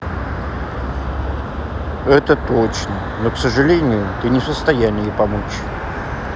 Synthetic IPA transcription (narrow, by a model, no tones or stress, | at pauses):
ɛt̪ət̪ot͡ɕnə | no̞ksəʐɨlʲenʲɪjʊt̪ɨnʲɪfsəst̪ɐjænʲɪjəpɐmot͡ɕ